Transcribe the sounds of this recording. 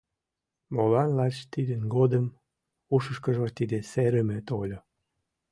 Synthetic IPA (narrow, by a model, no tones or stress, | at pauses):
molɑnlɑt͡ɕt̪id̪ənɡod̪əm | uʃəʃkəʒot̪id̪eseɾəmet̪olʲo